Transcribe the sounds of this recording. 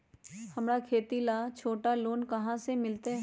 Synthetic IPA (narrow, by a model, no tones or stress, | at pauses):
hɐmɾakʰeːt̪ilat͡ʃʰoːʈaloːnkɐɦãsemɪlt̪e